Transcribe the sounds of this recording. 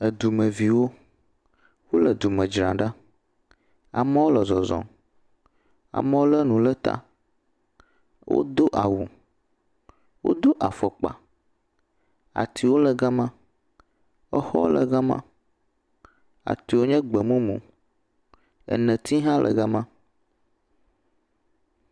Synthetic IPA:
ə˨d̪u˨mə̃˨vi˨wo˦ | wo˦lə˨d̪u˨mə̃˨d͡ʒɾã˨ɖa˦ | a̰˨mə˦wo˦lə˨zɔ˨zɔ̰̃˨ | a̰˨mə̃˦wo˦lə˦nũ˨lə˦t̪a̰˦ | wo̰˦d̪o˦ʔa˨wu˨ | wo̰˦d̪o˦ʔa˨fə˨k͡pa̰˨ | a̰˨t̪ʰi˨wo˦lə˨ɡa˦mã˦ | ə˦xɔ̰˦lə̰˨ɡa˦mã̰˦ | a̰˨t̪i˨wo˦ɲɛ̃˦ɡ͡bə˨mũ˦mṵ̃˨ | ə̰˨nə̃˨t̪i˦ɦã˦lʔə̰˨ɡa˦mã˦

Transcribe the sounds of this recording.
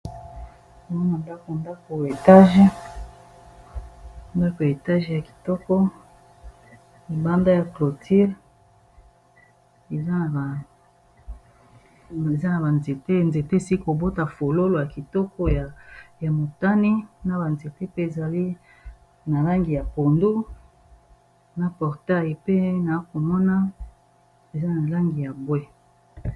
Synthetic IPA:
o˨ŋɔ˦na˨nda˦ko˨nda˦ko˨e˨ta˦ʒe˦˨ | nda˦ko˨je˨ta˦ʒja˨ki̥˨tɔ˦kɔ˦ | i˨ba˦nda˦ja˨klo˨tʰi˦ʁ | e˨za˦na˨ba˨ | e˨za˦na˨ba˨nze˨te˦˨nze˨te˦e˨si˦i˦ko˨bo˦ta˨fo˨lo˦lo˨ja˨ki˨tɔ˦kɔ˦ja˨ja˨mo˨ta˦ni˦na˨ba˨nze˨te˦pe˦e˨za˨li˦ | na˨la˦ŋɡi˨ja˨po˨ndu˦ | na˨pɔ˨ʁta˦˨ji˨pe˦na˨a˦ko˨mɔ˦na˦ | e˨za˦na˨la˦ŋɡi˨ja˨bwe˦

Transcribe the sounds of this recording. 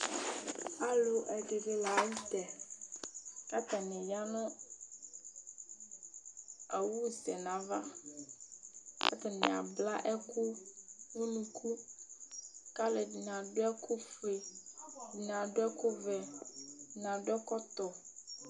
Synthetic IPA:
a˦lo˨ʔɛ˨ɖe˨ve˦la˨˦ji˦t̪ɛ˨ | ka˦t̪a˨nɛ̃˨ja˦nɔ̃˦ | a˨wu˦zɛ˨nã˨va˦ | ka̰˦t̪a˨nɛ̃˨a̰˨bla˦ʔɛ˦ku˦ŋu˦nũ˨˦kʰu˦ | ka˦le˨dn˨ã˨ɖo˦ɛ˦ku˦fe˨di˨n˨ã˨ɖo˦ɛ˦ku˦vɛ˨ | nã˨ɖo˦ɛ˦kɔ˦t̪ɔ˨

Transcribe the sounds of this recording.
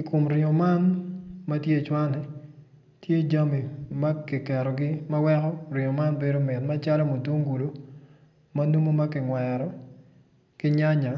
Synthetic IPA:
i˨ko˨mɾɪ˨ɔ˨ma˦nmɐ˦tje˦˨t͡ʃwa˦nɛ˨ | tje˦d͡ʒa˦mi˨ma˦kɪ˨kɛ˨ɾɔ˨ɡɪ˦mɐ˦wɛ˦kɔ˦rɪ˨ŋɔ˨ma˦nbe˦do˦mɪ˨tma˦t͡ʃa˦lɔ˦mo˨to˦ŋɡu˨lo˦ | mɐ˦nu˦mo˦ma˦kɪ˨ŋwɛɾɔ˦ | kɪ˦ɲa˦ɲa˨

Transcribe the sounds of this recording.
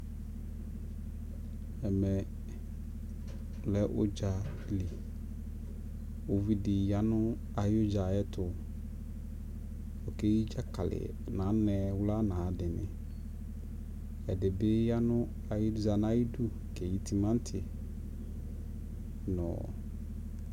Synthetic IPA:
ɛ˨mɛ̃˨ | lɛ˦ʔʊ̰˦d͡ʒa˨˦ | li˨ | o˨vi˦dɪ˨ja˦nʊ̃˦ | a˨jʊ˦d͡ʒa˨ɛ˦tʰʊ˨ | ɔ˨ke˦ji˦d͡ʒa˦kʰa˨lɪ̰˨ | nã˨˦nɛ̃˨wʊ˦la˦nãː˨dɪ˨nɪ̰̃˨ | ɛ˨dɪ˨bɪ˦ja˦nʊ̃˦ | a˨jɪ˦dza˨nã˦ji˦du˦ | kɛ˨ji˨tʰi˨mã˦n̩˦tʰɪ˨ | nɔ̰̃˨

